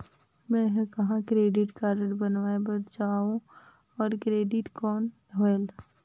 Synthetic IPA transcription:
mɛ̃ɦkɐɦãkɾeːɖɪʈkaːɾəʈbənʋaːebɐt̪d͡ʒaːũ | ɔːɾkɾeːɖɪʈkɔːn | ɦoel

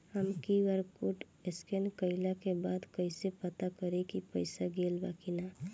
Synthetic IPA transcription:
həmkiʋəɾkuʈ | eskenkəɪlakebad̪kəɪsepət̪akəɾekipəɪsaɡeːlbakina

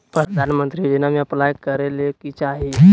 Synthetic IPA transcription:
pɾəd̪ʱanmənt̪ɾid͡ʒenamiəplajkəɾelekit͡ʃaɦi

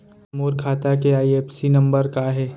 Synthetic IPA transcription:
moːɾkʰaːt̪akeaːieːpsinɐ̃mbəɾkaɦɛː

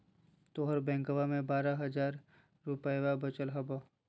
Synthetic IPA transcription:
t̪oːɦəɾbɛ̃ːŋkəʋamẽbaːɾaɦɐd͡ʒaːɾː | upəjʋabət͡ʃəlɦɐba

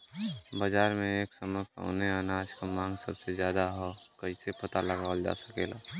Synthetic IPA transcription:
bəd͡ʒaːɾmẽeːksəməpa̰ːneənaːd͡ʒkamãːŋɡsəbsezjaːd̪aɦɔkəɦisepət̪aləɡaːld͡ʒa̰ːsəkeːla̰ː

